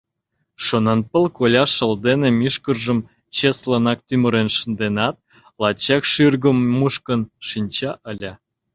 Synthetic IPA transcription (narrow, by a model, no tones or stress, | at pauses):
ʃonɑnpə̆lkolʲɑʃə̆ld̪enemyʃkərʒə̆m | t͡ɕeslənɑk̚t̪ymə̆ɾenʃənd̪enɑt̪̚ | lɑt͡ɕɑkʃyrɡə̆mːuʃkə̆nʃinʲt͡ɕɑʔəlʲɑ